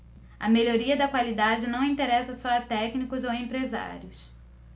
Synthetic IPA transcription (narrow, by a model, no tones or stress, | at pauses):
ɐmeʎoɾiɐd̪ɐkwalid̪ad͡ʒɪnɐ̃w̃ĩnt̪eɾɛsɐsɔɐt̪ɛknikʊzowẽmpɾeza̰ɾjʊs